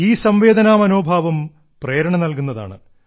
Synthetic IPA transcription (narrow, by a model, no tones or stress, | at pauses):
iːsɐmʋe̞ːd̪ɐnaːmɐno̞ːbʱaːʋɐm | preːɾɐɳɐnɐlkunːɐða̰ːɳɨ